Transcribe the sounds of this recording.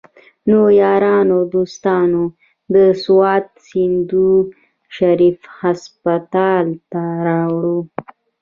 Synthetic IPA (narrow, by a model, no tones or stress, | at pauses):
nojɑɾɑnod̪ost̪ɑno | d̪əswɑt̪̚sind̪u | ʃaɾifhaspat̪ɑlt̪aɾɑwɽo